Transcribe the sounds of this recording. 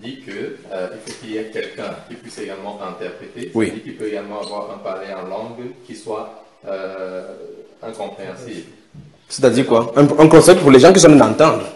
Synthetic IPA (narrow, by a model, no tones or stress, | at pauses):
d̪ikəøilfokiljɛkʲɛlkɛ̃kʲipɥiseɡalmɑ̃ɛ̃t̪ɛʁpχet̪ewid̪ikilpøeɡalmɑ̃avwaʁɛ̃palɛɑ̃lɑ̃ɡkʲiswa | ø | ɛ̃kɔ̃pχeɑ̃sibl | set̪ad̪iʁkwaɛ̃ɛ̃kɔ̃sɛjptpuʁleʒɑ̃k̬iswɔ̃mɛd̪ɑ̃t̪ɑ̃d̪ʁə